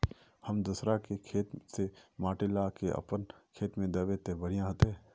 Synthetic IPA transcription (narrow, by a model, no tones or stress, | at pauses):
həmd̪usɾakekʰeːt̪semaːʈɪlakeʔɐ̰pənkʰeːt̪mẽd̪ɐʋet̪ebəɽ̤ijãɦət̪eɦɛː